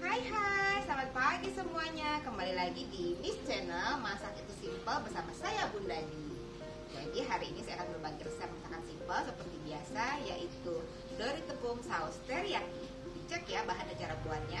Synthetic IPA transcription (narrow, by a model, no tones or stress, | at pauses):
kajɦat̪samat̪̚paɡisəmuaɲakəmbalilaɡidimist͡ʃɛnəlmasaat̪it̪usimpəlbərsamasajabundadi | d͡ʒadiɦaɾiːnisajakanbərbaŋkɪrskamaŋt̪aŋansimpəlsəpərt̪ibiasajaʔit̪u | doɾit̪əbʊŋsaust̪ərja | bit͡ʃəkjabaɦanat͡ʃaɾabuat̪̚ɲa